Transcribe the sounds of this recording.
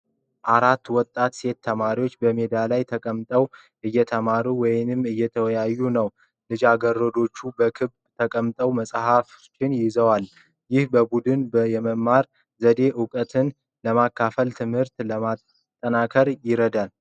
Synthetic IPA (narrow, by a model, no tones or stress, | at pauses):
ʔaɾat̪ːwɔt̪ʼːat̪se̞t̪ʰːəmaɾiwo̞t͡ʃːbəmed̪alajt̪ʰəkʼəmt̪ʼəw | ʔɨjːɛt̪ʰəmaɾuwɔjɪnɨmɨjːɛt̪ʰəwjajːunəw | lɨd͡ʒaɡərːəd̪o̞t͡ʃːubəkʰɨβbt̪ʰəkʼəmt̪ʼəwməsʼhaf | t͡ʃːɪnjɪzəwal | jɪhbəbud̪ɨnbəjɛməmːaɾ | zəd̪e̞ʔɨkʼət̪ʰɨn | ləmakʰːafəlt̪ʰɨmhɨɾt̪ləmat̪ | t̪ʼːənakʰəɾjɪɾəd̪al